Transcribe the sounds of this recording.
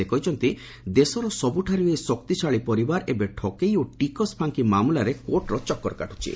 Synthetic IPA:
ekɔjt͡ʃʰɔnt̪i | d̪esɔɾɔsɔbuʈʰaɾiesɔkt̪it͡ʃʰaɭipɔɾibaɾʔebeʈʰɔkejoʈikɔspʰaŋkimamulaɾekoʈɾɔt͡ʃɔkːɔɾɔkaʈʰu̥t͡ʃʰḭ

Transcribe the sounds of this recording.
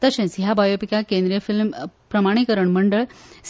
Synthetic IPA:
t̪əɕẽt͡sɦjabajopikakẽnd̪ɾijəfilmpɾəmaɽ̃ikəɾəɳməɳɖəɭs

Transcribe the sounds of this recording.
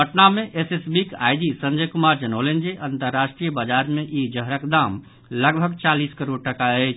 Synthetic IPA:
əʈnamẽʔesesbika̰ːjd̪isə̃ɲd͡ʒəjkʊmaːɾd͡ʒənəːlend͡ʒeʔə̃nt̪əɾːaːʃʈɾijəbad͡ʒaːɾmẽʔed͡ʒəɦɾəkd̪aːm | ləɡbʱəɡt͡ʃaːliːskəɾoɽ̚ʈəkaet͡ʃʰ

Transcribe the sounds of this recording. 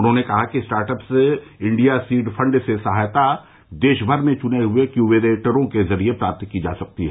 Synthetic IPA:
ʊnɦõːnekɐɦakisʈaːɾʈəpseɪ̃ɳɖijasiːɖfʰɐ̃ɳɖsesɐɦaːjt̪a | d̪eːʃbʱəɾmẽt͡ʃʊneɦʊekjubeɾeːʈəɾõkezɐɾiepɾaːp̚t̪kid͡ʒa̰ːsɐk̚t̪iɦɛ̰ː

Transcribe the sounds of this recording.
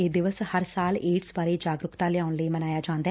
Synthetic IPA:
eːd̪ɪʋəshəɾsaːleːʈsbaːɾeːd͡ʒaːɡɾʊkt̪aːlɪjaːʊnləiːmənaːjaːd͡ʒãːnd̪a

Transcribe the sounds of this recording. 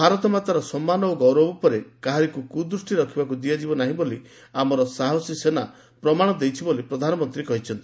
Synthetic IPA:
bʱaɾɔt̪ɔmat̪aɾɔsɔmːanɔoɡɔwɾɔbɔpɔɾekaɦaɾikukud̪ɾusʈiɾɔkʰibakud̪iad͡ʒibɔnaɦĩboli | amɔɾɔsaɦɔsisena | pɾɔmaɽ̃ɔd̪ejt͡ʃʰibolipɾɔd̪ʱanɔmɔnt̪ɾikɔɦit͡ʃʰɔnt̪i

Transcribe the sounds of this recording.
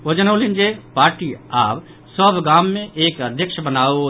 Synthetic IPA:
od͡ʒənəlind͡ʒepaːɾʈiaːb | səbʱɡamːẽʔeːkəd̪ʱjəkʃbənao

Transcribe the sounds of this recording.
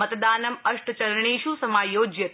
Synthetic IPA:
ɐt̪d̪aːnɐmɐʂʈt͡ʃɐɾɳiːʃusɐmaːjoːd͡ʒjɐt̪

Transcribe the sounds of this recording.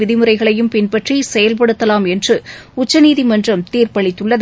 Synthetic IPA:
ɪðɪmɯɾrɐɪɣɐɭɐjɯmpɪnpɐʈrisɛjɐlpɐɽɯt̪ːɐlaːmɛndrɯʊt͡ʃːɐniːðimɐndrɐmt̪iːrpɐɭɪt̪ːɯɭːɐð

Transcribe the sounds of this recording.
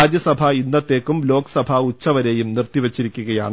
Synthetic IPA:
aːd͡ʑjɐsɐbʱɐinːɐt̪ːe̞ːkːumlo̞ːkɐ̥sɐbʱɐut͡ɕːɐʋɐɾe̞ːjumnirt̪ːiʋet͡ɕːiɾikʲːuɣɐjaːɳ

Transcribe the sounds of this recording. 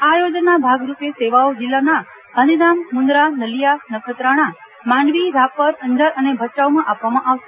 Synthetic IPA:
ajod͡ʒnabʱaɡɾupeseʋaod͡ʒɪlːana | ɦənid̪ammʊ̃nd̪ɾanəlijanəkʰət̪ɾaɽ̃a | mãɳʋiɾapəɾə̃nd̪əɾənebʱət͡ʃaʋmãʔapʋamãʔaʋʃe

